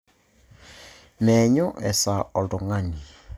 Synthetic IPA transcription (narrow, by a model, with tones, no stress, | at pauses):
nɛ˨ɲɔ˦ʔɛ˨sa˨ɔ˨ldɔ˨ŋa˦ɲi˨